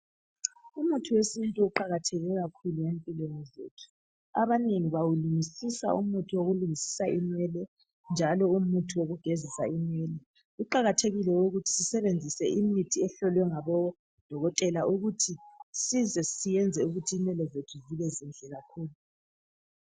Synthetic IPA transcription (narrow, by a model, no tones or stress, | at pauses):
umutʰuwesintʼuuǃaɣatʰɛɣɛɣakʰuluempʼilwenɔzḛtʰu̥ | aβaneŋiβawuluŋisisa̰ṵmutʰiwoɣuluŋisi̥saʔinɛlɛ | nd͡ʒʱalɔumutʰiwoɣuɡ̥ʱezisaimɛlɛ | ɣuǃaɣatʰeɣilɛuɣutʰi̥sisɛβend͡zʱisɛʔimitʰiɛɬɔlwɛŋaβɔ | d̥ʱɔɣɔtʼɛlaʔuɣutʰisizɛsijɛnd͡zʱɛuɣutʰiːnɛlɛzetʰuvilɛzind͡ɮʱɛɣakʰuːlu